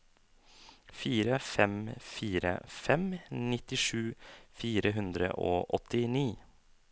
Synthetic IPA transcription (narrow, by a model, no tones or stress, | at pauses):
fiːɾəfɛmfiːɾə̰fɛmnɪt̪ɪʂʉːfiːɾəɦʉnd̪ɾə̰ʔoːʔɔt̪ɪniː